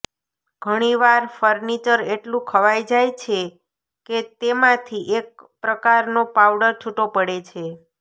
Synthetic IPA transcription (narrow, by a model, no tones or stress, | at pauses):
ɡ̥ʱəɽ̃iʋaɾfəɾnit͡ʃəɾeʈlũkʰəʋajd͡ʒajt͡ʃʰe | ket̪emãt̪ʰiʔek̚pɾəkaɾnopawɖəɾt͡ʃʰuʈopəɽet͡ʃʰe